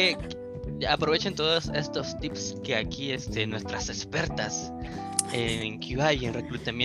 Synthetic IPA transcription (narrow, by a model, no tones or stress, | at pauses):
e | apɾo̞β̞et͡ʃent̪o̞ðose̞st̪o̞st̪ipske̞akie̞st̪e̞nwe̞st̪ɾase̞spe̞ɾt̪as | eŋkʰuajenre̞kɾut̪amj